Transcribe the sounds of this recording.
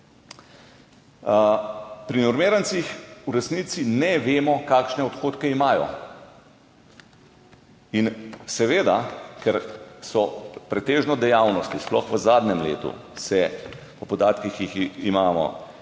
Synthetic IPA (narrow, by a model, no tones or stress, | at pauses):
pɾinɔɾmeːɾant̪sixuɾɛsniːt̪sinɛʋeːmɔkaːkʃnɛɔt̪xoːt̪kɛimaːjɔ̰ | insɛʋeːd̪akɛɾsɔpɾɛt̪eːʒnɔd̪ɛjaːwnɔst̪isplɔ̰xʋəzaːd̪nɛmlḛːt̪ṵsɛ | pɔpɔd̪aːt̪kixjiximaːmɔ̰